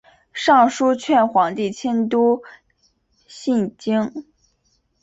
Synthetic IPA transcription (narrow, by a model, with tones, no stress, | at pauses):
ʂɑ˥˩ŋʂu˥t͡ɕʰɥɛ˥˩nxwɑ˧˥ŋt̪i˥˩t͡ɕʰjɛ˥nt̪u˥ | ɕi˥˧nt͡ɕi˥ŋ